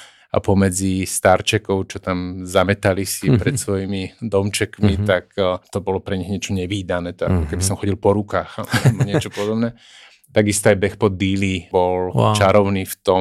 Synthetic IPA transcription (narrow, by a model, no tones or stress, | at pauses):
a̰pɔmɛd͡zist̪aɾt͡ʃɛkɔʊt͡ʃɔt̪amzamɛt̪alisipɾɛt̪sʋɔjimid̪ɔmt͡ʃɛkmit̪akt̪ɔbɔlɔpɾɛɲiɣɲɪɛt͡ʃɔɲɛʋiːd̪anɛːt̪a̰kɔkɛbisɔmxɔɟilpɔɾukaːxalɛbɔɲɪɛt͡ʃɔpɔd̪ɔbnɛ | t̪aɡist̪ɔajbɛxpɔd̪ilibɔl̰t͡ʃaɾɔʊniːft̪ɔ